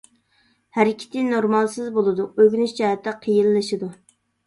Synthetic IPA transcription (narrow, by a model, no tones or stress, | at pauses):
hæɾɪkʲʰɪ̥t̪ʰɪnnoɾmɑlˠsɨzbolˠɨd̪uøɡʲnyʃd͡ʒɑɦɛt̪ʰːɛqʰəjilˠːɨʃɨd̪u